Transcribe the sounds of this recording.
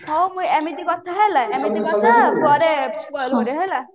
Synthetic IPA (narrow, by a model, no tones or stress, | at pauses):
kʰɔmujɛmit̪ikɔt̪ʰaɦelaʔɛmit̪ikɔt̪ʰabuɔɾeloɾeɦela